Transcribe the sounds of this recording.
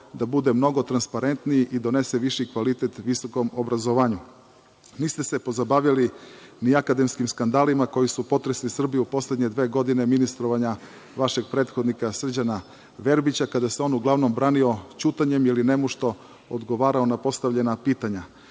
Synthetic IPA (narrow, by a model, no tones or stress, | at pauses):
d̪abud̪e̞mno̞ɡo̞t̪ɾanspaɾe̞nt̪niiʔid̪o̞ne̞seʋiʃikʋalit̪et̪ʋiso̞ko̞mobɾazoʋaːɲu | niːst̪e̞se̞po̞zabaʋjaliniakad̪e̞mskimskand̪aːlimako̞jisupo̞t̪ɾeslisr̩bijupo̞sled̪ɲe̞d̪ʋe̞ːɡo̞d̪ine̞minist̪ɾo̞ʋaɲa | ʋaʃe̞ɡ̚pɾeːt̪xo̞d̪nikasr̩d͡ʑana | ʋe̞ɾbit͡ɕakad̪aseo̞nuɡlˠaʋno̞mbɾaːnio̞t͡ɕut̪aɲe̞miline̞muʃt̪o̞ | od̪ɡo̞ʋaːɾao̞napo̞st̪aʋʎe̞napiːt̪aɲa